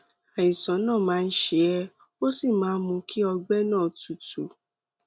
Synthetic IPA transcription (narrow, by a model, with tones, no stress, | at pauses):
a˨jĩ˨sã˨˦nãː˦˨mãː˨˦˧n̩˦ʃe˧˦ɛ˦ | o˦si˦˨mãː˨˦mũ˧kʰi˦ɔ˧ɡ͡bɛ˦nãː˦˨tu˨tu˨